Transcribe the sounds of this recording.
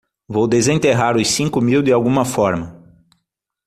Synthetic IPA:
vowd̪ezẽnt̪eɦaɾʊsĩŋkʊmiwd̪ɪawɡũmɐfɔɾmɐ

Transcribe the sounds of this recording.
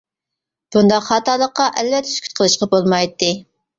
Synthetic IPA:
b̥und̪ɑqχɑːt̪ɑlˠːəqːɑʔɛlvɛt̪ʰːɛ̥skʲʰy̥t̪̚qʰəlˠɨʃqɑbolˠmɑjt̪ːɨ

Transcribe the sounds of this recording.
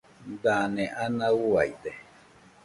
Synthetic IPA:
d̪anẽʔanãuaid̪e

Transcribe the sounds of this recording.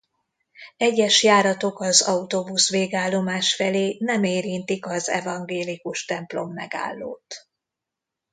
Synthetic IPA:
ɛɟːɛʃjaːɾɒt̪o̞kɒzɒut̪obusʋeːɡaːlːo̞maːʃfɛleːnɛmeːɾint̪ikɒzɛ̰vɒŋɡeːlikuʃt̪ɛmplo̞mːɛɡa̰ːlːo̰ːt̪

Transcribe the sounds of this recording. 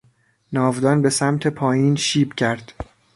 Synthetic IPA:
nɒːvd̪ɒːnbe̞sæmt̪ʰe̞pʰɒːjiːnʃiːbcʰæɾd̪̥

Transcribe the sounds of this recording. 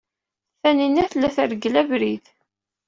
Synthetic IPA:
θæninæθəlːæθəɾɡəlævɾið

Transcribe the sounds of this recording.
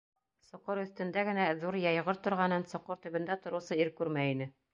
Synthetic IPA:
sŏqɤɾɵ̆θt̪ɘ̆nd̪æɡɘ̆næðuɾjɑjʁɤɾt̪ŏɾʁɑnɤnsŏqɤɾt̪ɵ̆βɘ̆nd̪æt̪ŏɾɤ̆wsɤiɾkʉɾmæinɘ

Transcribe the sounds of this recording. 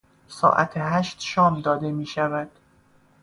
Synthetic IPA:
sɒ̰ːʔæ̰t̪ʰeɦæʃt̪ʃɒːmd̪ɒːd̪e̞miːʃævæd̪̥

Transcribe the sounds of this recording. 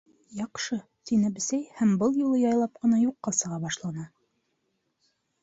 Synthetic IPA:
jɑqʃɤt̪inɘbɘ̆sæjhæmbɤlˠjulˠɤjɑjlˠɑp̚qɤ̆nɑjuqːɑsɤ̆ʁɑbɑʃlˠɑnɑ

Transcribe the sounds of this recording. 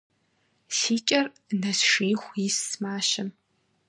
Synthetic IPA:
siːt͡ʃʼɐr | nɐsʂiːxʷissmaːʃɐm

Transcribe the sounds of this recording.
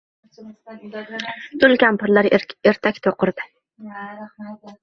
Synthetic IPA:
t̪ʰʊlkʲampʰʊɾlaɾeɾt̪ʰakʲt̪ʰoqʰɨɾd̪ɪ

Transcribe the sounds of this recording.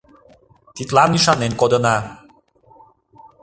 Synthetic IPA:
t̪it̪lɑnyʃɑnenkod̪ənɑ

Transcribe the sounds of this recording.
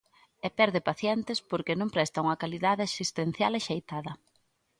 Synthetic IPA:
epɛɾðepaθjɛnt̪ɪspoɾkenõmpɾɛst̪ɐuŋɐkaliðaðɪasist̪en̟θjaleʃejt̪aðɐ

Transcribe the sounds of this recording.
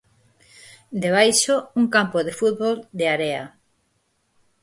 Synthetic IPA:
d̪eβ̞ajʃouŋkampoðefut̪̚βold̪eaɾea̰

